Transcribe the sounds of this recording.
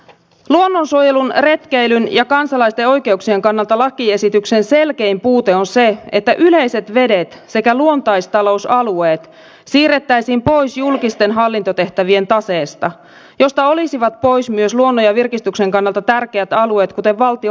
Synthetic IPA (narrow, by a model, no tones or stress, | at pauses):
luonːonsuojelunre̞t̪k̟ejlynjɑkɑnsɑlɑist̪eo̞jk̟e̞uksieŋkɑnːɑlt̪ɑlɑkːˑie̞sit̪ykse̞nselke̞jmpuːt̪eo̞nse̞et̪ːæʔyle̞ise̞t̪ʋe̞det̪se̞kæluo̞nt̪ɑjst̪ɑlo̞usɑlueːt̪ | siːret̪ːæjsiːmpo̞jsjulkist̪e̞nɦɑlːint̪ot̪e̞ht̪æʋie̞nt̪ɑseːst̪ɑ | jo̞st̪ɑo̞lisiʋɑt̪po̞jsmyøsluonːojɑʋirkist̪ykse̞ŋkɑnːɑlt̪ɑt̪ærk̟eæt̪ɑlue̞ːt̪kut̪e̞ʋʋɑlt̪i